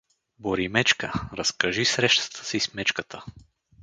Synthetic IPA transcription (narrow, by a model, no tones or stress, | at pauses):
boɾimɛt͡ʃkəɾɐskɐʒisɾɛʃt̪ə̥t̪ʰə̥sismɛt͡ʃkət̪ə